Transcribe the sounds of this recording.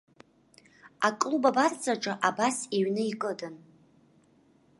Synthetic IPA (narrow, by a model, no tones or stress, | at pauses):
akʼlubabart͡sʼaʈ͡ʂʼaʔabasiɥnɨikʼɨdɨn